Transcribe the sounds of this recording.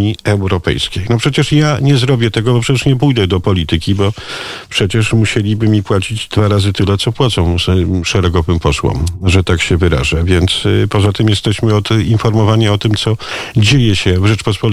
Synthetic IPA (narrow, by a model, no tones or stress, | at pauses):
iɛwɾɔpɛ̰jskʲejnɔpʂɛt͡ɕɛʂjaɲɛzɾɔbʲjɛt̪ɛɡɔbɔpʂɛt͡ɕɛʂɲɛpujd̪ɛd̪ɔpɔlʲit̪ɘkʲibɔpʂɛt͡ɕɛʂmuɕelʲibɘmʲipwat͡ɕid͡ʑd̪vaɾazɘt̪ɘlɛt̪sɔpwat̪sɔ̃w̃zʂɛɾɛɡɔvɘmpɔswɔ̰mʐɛt̪akɕɛvɘɾa̰ʐavʲjɛnt̪spɔzat̪ɘmjɛst̪ɛɕmɘɔt̪infɔɾmɔvaɲɛɔt̪ɘmt̪sɔd͡ʑejɛɕɛvʐɛt͡ʂpɔspɔ